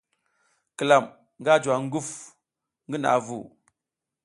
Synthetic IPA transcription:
ki˨la˨m | ŋɡa˦d͡ʒwa˨ŋ˦ɡu˦f | ŋɡi˦na̰˨vṵ˨

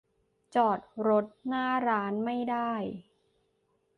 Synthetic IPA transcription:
t͡ɕɔː˨˩t̪̚ɾo˦˥t̪̚naː˥˩ɾaː˦˥nma˥˩jdaː˥˩j

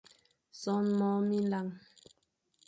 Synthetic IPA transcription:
sɔ˦nmɔ˦mi˦la˦ŋ

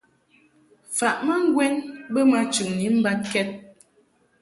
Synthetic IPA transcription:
fa˨ʔma˦ŋ˦ɡwɛ˦nbə˦ma˦t͡ʃʉ˨ŋni˨˦m̩˦ba˦t̚kɛ˦t̚

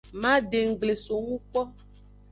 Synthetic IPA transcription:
mã˦ɖe˨ŋ̩˨ɡ͡ble˨so˨ŋũ˦k͡pɔ˦

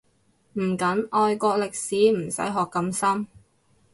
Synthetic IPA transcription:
m̩ː˨˩kɐ˨˥nɔː˧jkɔː˧k̚lɪ˨k̚siː˨˥m̩˨˩sɐ̰˨˥jɦɔː˨kːɐ˧msɐ˥m

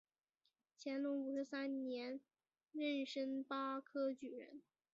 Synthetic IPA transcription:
t͡ɕʰjɛ˧˥nlʊ˧˥ŋu˨˩ʂɻ̩˧˥sa˥nnjɛ˧˥n | ɻə˥˩nʂə˥ŋpa˥kʰɤ˥t͡ɕy˨˩ɻə̰˧˥n

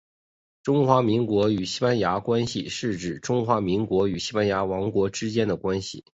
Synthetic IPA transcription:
ʈ͡ʂʊ˥ŋxwa˧˥mi˧˥ŋkwɔ˧˥y˨˩ɕi˥pa˥nja˧˥kwa˥nɕḭ˨ʂɻ̩˥˩ʈ͡ʂɻ̩˨˩ʈ͡ʂʊ˥ŋxwa˧˥mi˧˥ŋkwɔ˧˥y˨˩ɕi˥pa˥nja˧˥wɑ˧˥ŋkwɔ˧˥ʈ͡ʂɻ̩˥t͡ɕjɛ˥nd̪ə˨kwa˥nɕḭ˨˩

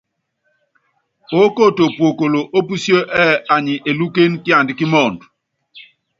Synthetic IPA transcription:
o˦ko˦˨to˨pwo˨ko˨lo˨ʔo˦pu˦sjo˦ʔɛ˦a˨ɲi˨ʔe˨lu˦ke˦nki˦a˨ndi˨˦ki˦mɔ˦˨n˨d

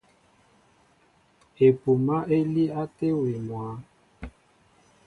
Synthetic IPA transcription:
e˨pu˨ma˦ʔe˦li˦a˦te˦wi˨mwa˨˦

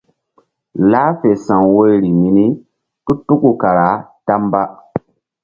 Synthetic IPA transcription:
laː˦fe˨sã˨ŋwo˦ɾi˨mi˦ni˦ | tu˦tu˦ku˨ka˨ɾa˨˦ta˦mba˦

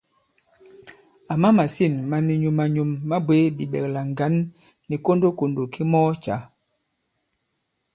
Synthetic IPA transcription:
a˨ma˦ma˨si˦˨nma˨ni˨ɲu˨ma˨ɲo˨mːa˦bwe˦bi˨ɓɛ̰˨k̚la˨ŋɡa˨˦nː | i˨ko˦ndo˦ko˨ndo˨kʰi˦mɔː˦t͡ʃa˨˦

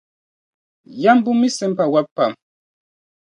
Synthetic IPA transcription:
ja˦m˦bu˦mi˦sɛ˦mpa˨wa˦pːa˨m

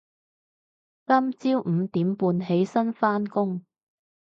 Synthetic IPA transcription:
kɐ˥mt͡siː˥wm̩˨˧t̪iː˨˥mpuː˧nɦe˨˥jsɐ˥nfaː˥nkʊ˥ŋ

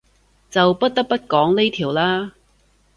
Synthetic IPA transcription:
t͡sɐ˨wpɐ˦˥t̚t̪ɐ˥k̚pɐ˥t̚kɔː˨˥ŋne˥t̪ʰiː˨˩wlaː˥

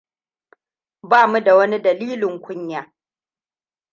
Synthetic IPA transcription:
baː˦˨mu˦da˨wɐ˦ni˦dɐ˨liː˦lɪ˨ŋkʷʊ˦ɲjaː˨˦

